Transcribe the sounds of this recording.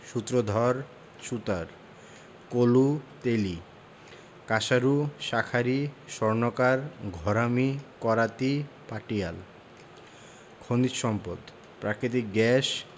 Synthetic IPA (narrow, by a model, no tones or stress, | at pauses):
ʃut̪ːɾod̪ʱɔɾ | ʃut̪aɾ | kolut̪eli | kaʃaɾuʃakʰaɾiʃɔɾnokaɾɡʱɔɾamikɔɾat̪ipaʈial | kʰond̪it̪ʃɔmpod̪ | pɾakɾit̪̬ik̚ɡɛʃ